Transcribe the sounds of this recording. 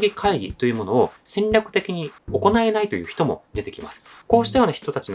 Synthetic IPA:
ɡʲikʰaiɡʲḭt̪o̞jɯ̟ːmo̞no̞ːsẽ̞ɲɾʲakɯ̟̥t̪e̞kʲiɲ̟io̞ko̞nae̞nait̪o̞jɯ̟ːçi̥t̪o̞mo̞̰d̪e̞t̪e̞kʲimasɨ̥ko̞ːɕi̥t̪ajo̞naçi̥t̪o̞t̪at͡ɕin

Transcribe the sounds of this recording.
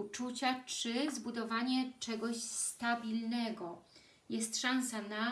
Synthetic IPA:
ut͡ʂut͡ɕat͡ʂɘzbud̪ɔvaɲɛt͡ʂɛɡɔɕst̪abʲilnɛɡɔ | jɛst̪ʂãñsana

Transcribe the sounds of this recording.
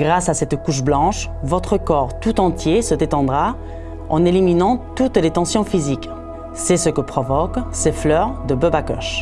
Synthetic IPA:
ɡʁasasɛt̪kuʃ̬blɑ̃ʃvɔt̪χəkɔʁt̪ut̪ɑ̃t̪jesəd̪et̪ɑ̃d̪ʁa | ɑ̰̃neliminɑ̃t̪ut̪let̪ɑ̃sjɔ̃fizik | sɛsəkəpχɔvɔkseflœʁd̪əbøbakɔ̰ʃ

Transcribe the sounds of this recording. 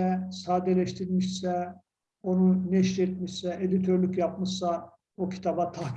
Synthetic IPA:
ɛsaːd̪elʲɛʃt̪ʰiɾmiʃsɛ | o̞nunɛʃɾet̪̚miʃsɛed̪it̪ʰøɾlʲycjap̚mɯʃsa | ocʰi̥t̪ʰabat̪ʰa

